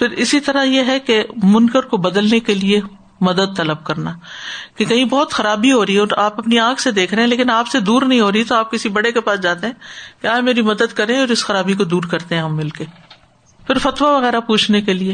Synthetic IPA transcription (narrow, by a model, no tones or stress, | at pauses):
fʰɪɾɪsit̪ɐɾajeɦɛkemʊnkəɾkobɐd̪əlnekelie | mɐd̪əd̪̚t̪ɐləb̚kɐɾnakekɐɦĩbɔɦʊt̪xɐɾaːbiɦoːɾəiɛɔːɾaːpɐpniãːkʰsed̪eːkʰɾɐɦɛ̃leːkɪnaːpsed̪uːɾnɐɦĩɦoːɾəit̪oaːp̚kɪsibɐɽekepaːsd͡ʒaːt̪eɦɛ̃ːkeaːd͡ʒmeːɾimɐd̪əd̪kɐɾẽɔːɾɪsxɐɾaːbikod̪uːɾkɐɾt̪eɦɛ̃ɦɐmːɪlke | fɪɾfɐt̪ʋaʋɐɣɛːɾapuːt͡ʃʰnekelieː